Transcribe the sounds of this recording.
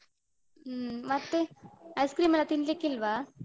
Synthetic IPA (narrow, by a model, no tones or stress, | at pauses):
mat̪ːeajskɾiːmelat̪inilekilʋa